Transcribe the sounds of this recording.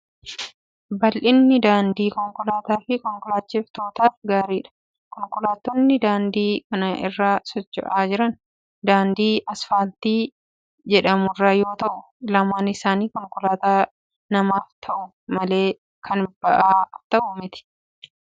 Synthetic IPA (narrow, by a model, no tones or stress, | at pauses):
bɐlʔɪnːɪd̪aːnd̪iːkɔŋkʊlaːt̪aːfɪkɔŋkʊlaːt͡ʃːɪft̪oːt̪aːfɡaːɾiːᶑɐ̥ | kɔŋkʊlaːt̪ːonːɪd̪aːnd̪iːkɐnɐʔɪ̰rːaːsɔt͡ʃːɔ̰ʔaːd͡ʒɪɾɐn | d̪aːnd̪iːʔɐsfaːlt̪iː | d͡ʒɛᶑɐmʊrːaːjo̞ːt̪ɐʔʊ | lɐmaːnɪsaːniːkɔŋkʊlaːt̪aː | nɐmaːft̪ʰɐʔʊ | mɐle̞ː | kʰɐnb̥ɐʔaːft̪ɐʔʊmɪt̪ɪ̥